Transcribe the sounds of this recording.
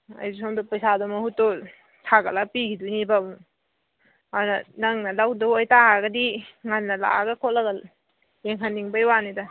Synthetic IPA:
ɐ̰jzusoŋdɔpɐjsadɔmɐhutːo | sʰaɡɐlapiɡʰidunibamu | adunɐnɐŋnɐlawdɔajtaɦaɡɐdiŋanːɐla̰ɡɐkʰoʔ̚lɐɡɐ | jeŋɦanːiŋbɐjwanida

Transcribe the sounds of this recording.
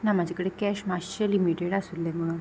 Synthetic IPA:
namad͡ʑʱakəɽekɛɕmaɕɕəlimiʈeɽasuːlːem̤əɽ̃uːn

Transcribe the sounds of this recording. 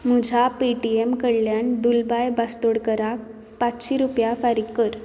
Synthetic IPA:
mud͡ʑʱapiʈiemkəɽljand̪ulbajbast̪oɽkəɾak̚ | pat͡sɕiɾupjafaɾikkːəɾ

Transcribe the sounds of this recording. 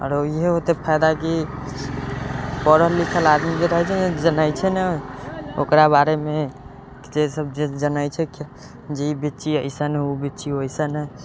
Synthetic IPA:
ə̰ɾoiɦeɦot̪epʰajd̪aki | pəɾəlikʰəlad̪mibeɾəɦɛt͡ʃʰɛd͡ʒənajt͡ʃʰɛnɛ | o̰kɾabaɾeme | d͡ʒesəb̚d͡ʒed͡ʒənajt͡ʃʰɛki | d͡ʒeibit͡ʃiəjsənɛubitːt͡ʃiɦojsənɛ

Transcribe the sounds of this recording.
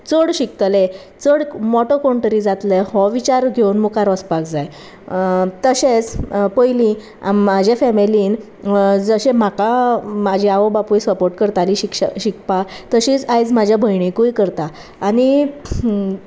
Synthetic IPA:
t͡səɽɕik̚t̪le | t͡səɽmɔʈokɔɳʈəɾid͡zat̪lehɔʋit͡ɕaɾɡʱewnmukaɾʋəspakd͡zaj | t̪əɕẽt͡spəjlĩ | a̰mːad͡ʑʱjafɛmiliːn | d͡zəɕẽmakamad͡ʑʱiaʋobapujsəpoɾʈkəɾt̪aliɕikɕɕik̚pat̪əɕit͡sajt͡smad͡ʑʱjabʱəjɳikujkəɾt̪aː | ni

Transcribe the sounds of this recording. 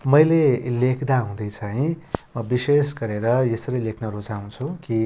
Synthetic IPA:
mʌjlelekʰd̪aɦũd̪ʌjt͡sʰaɦĩmʌbisesɡʌɾeɾʌjʌsʌɾʌjlekʰnʌɾod͡zaũnt͡sʰuki

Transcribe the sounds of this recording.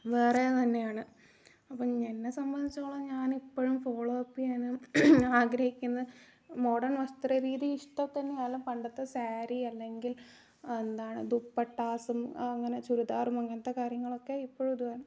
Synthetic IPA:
ʋeret̪ɐnːe̞jaːɳɨ | ɐpːɐmɲenːesɐmbɐnd̪it͡ɕːɐɭːɐɲaːnipːoɻumfo̞ːɭoɐpːianɨaːɡɾɐhikʲːunːɐðɨ | mo̞ːɖɐrnʋɐst̪rɐɾiːðiiʂʈɐmt̪ɐnːejaːlumpɐɳɖɐt̪ːɐsaːɾiɐlːe̞ŋɡil | end̪aːɳɨ̰d̪upːɐʈːaːsumɐŋːɐne̞t͡ɕuɾud̪aːrumɐŋːɐnɐt̪ːekaːɾjɐŋːɐɭo̞kːe̞ipːoːɻumd̪uɐːɾ

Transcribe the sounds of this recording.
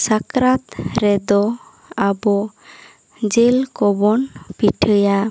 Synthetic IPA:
sakɾat̪ɾɛd̪ɔ | abɔ | d͡ʒelkɔbɔnpiʈʰəja

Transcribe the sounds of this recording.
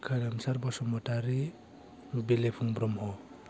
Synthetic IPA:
kʰaɾamsaɾbɔsɔmɔtaɾi | belepʰuŋbɾɔmɦɔ

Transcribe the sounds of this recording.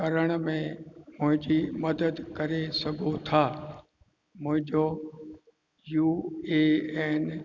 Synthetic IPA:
kɐɾəɽ̃mẽmʊ̃ɦɪ̃ɲd͡ʑimɐd̪əd̪kɐɾesɐɡʱot̪ʰaː | mʊ̃ɦɪ̃ɲd͡ʑo | juːeːɛːn

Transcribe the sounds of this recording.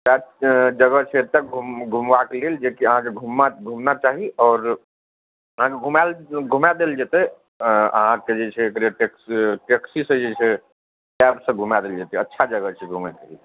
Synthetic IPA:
sad͡ʒəɡət͡ʃʰɛɾt̪akɡʱuɡʱumʋakeleld͡ʒekiəɦãkeɡʱumaɡʱumnat͡ʃaɦiɔːɾ | əɦãkeɡʱumalɡʱumad̪eld͡ʒet̪ɛ | ə̰ɦãked͡ʒet͡ʃʰɛːkɾeʈeksʈeksisə̃d͡ʒet͡ʃʰɛ | ʈɛbsə̃ɡʱumad̪eld͡ʒet̪ɛətːʃʰad͡ʒəɡət͡ʃʰɛɡʱumad̪el

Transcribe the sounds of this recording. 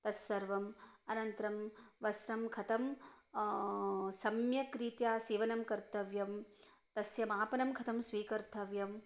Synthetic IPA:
t̪ɐsɐɾʋɐmɐnɐnt̪ɾɐmʋɐsɾɐmkʰɐt̪ɐm | sɐmjɐkɾiːt̪jaːsiːʋɐnɐmkɐɾt̪ɐʋjɐm | t̪ɐsjɐmaːpɐnɐmkʰɐt̪ʰɐmsʋiːkɐɾt̪ʰɐʋjɐm

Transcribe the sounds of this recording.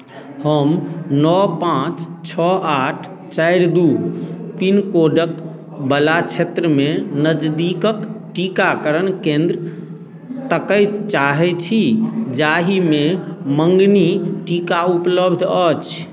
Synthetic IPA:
həmnɔpãt͡ʃt͡ʃʰɔaʈʰ | t͡ʃajɾd̪upinkoɖək | bəlat͡ʃʰet̪ɾəmenəd͡ʒd̪ikəkʈikakəɾənkẽnd̪ɾ | t̪əkəjt͡ʃaɦɛt͡ʃʰid͡ʒaɦimeməŋɡniʈikaupləbd̪ʱət͡ʃʰ

